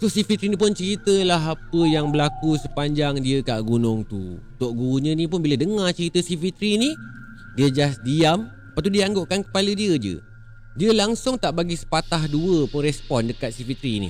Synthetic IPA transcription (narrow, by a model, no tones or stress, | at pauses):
kʊsifit̪ɾinĩpʊnt͡ʃəɾit̪əlaɦapəjaŋbəlakusəpaɲd͡ʒaŋdiəkaʔɡunʊŋt̪ṵt̪oʔɡuɲə̃nĩp̬ʊnbilədəŋãt͡ʃəɾit̪əsifit̪ɾini | diəd͡ʒasdiam | pat̪̬udiəaŋɡoʔkankə̥palədiəd͡ʒə̰ | diəlaŋsʊŋt̪aʔbaɡisə̥pat̪aɦduəpʊnrɛspɔndəkat̪̚sifit̪ɾinḭ